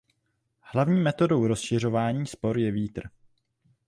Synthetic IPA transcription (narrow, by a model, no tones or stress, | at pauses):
hlavɲiːmɛt̪o̞do̞wɾo̞sʃɪr̝o̞vaːɲiːspo̞ɾjɛviːt̪r̩